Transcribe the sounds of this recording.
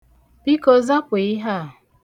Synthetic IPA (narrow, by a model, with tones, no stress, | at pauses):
pi˦ko˨za˦pe˨i˦ɦa˦˨